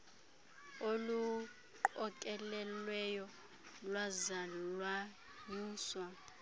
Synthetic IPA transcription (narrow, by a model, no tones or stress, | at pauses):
olu | ǃɔkʼɛlɛlwɛjɔ | lwazalwa | niːswa